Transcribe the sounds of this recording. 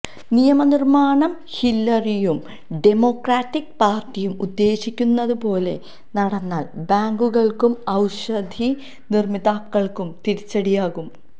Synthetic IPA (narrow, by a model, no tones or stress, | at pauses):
nijɐmɐnirmaːɳɐm | hilːɐrijum | ɖemo̞ːkraːʈːik̚paːrʈijumud̪ːe̞ːɕikʲːunːɐðupo̞ːle̞̰ | nɐɽɐnːaːlbaːŋɡuɣɐɭkumɐwɕɐd̪ʱi | nirmiðaːkːɐɭkumt̪iɾit͡ɕːɐɽijaːɣum